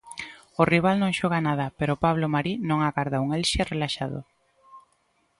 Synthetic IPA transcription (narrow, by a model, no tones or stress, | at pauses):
ʊriβ̞alnõŋʃɔɣanað̞ɐpeɾʊpaβlomaɾinõŋaɣaɾðauŋelʃerelaʃaðʊ̰